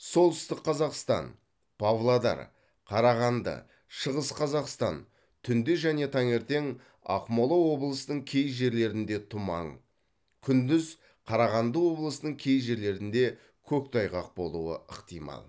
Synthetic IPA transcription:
so̞lˠt̪ʏst̪ɪqqʰːɑzɑqst̪ɑ̰n | pʰavlˠad̪ɑ̰ɾ | qʰɑɾɑʁɑnd̪ə̰ | ʃəʁəsqʰɑzɑqst̪ɑn | t̪ʰʏnd̪ɪʒæne̞t̪ʰɑŋe̞ɾt̪e̞ŋ | ɑ̰qmolˠowo̞blˠəsənəɴkʲʰe̞jʒe̞ɾle̞ɾɪnd̪e̞t̪ʰʊmɑ̰ɴ | kʲʰʏnd̪ɪz | qʰɑɾɑʁɑnd̪əwo̞blˠəsəəɴkʲʰe̞jʒe̞ɾle̞ɾɪnd̪e̞ | kʲʰɵk̚t̪ʰɑjʁɑq̚bo̞lˠuə̰əqt̪ijmɑ̰lˠ

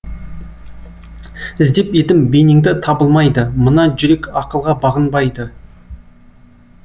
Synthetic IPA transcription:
ɪzd̪e̞pet̪ɪmbenɪŋd̪ɪt̪ʰɑbəlˠmɑjd̪əmənɑʒʏɾe̞kɑqəlˠʁɑbɑʁənbɑjd̪ə

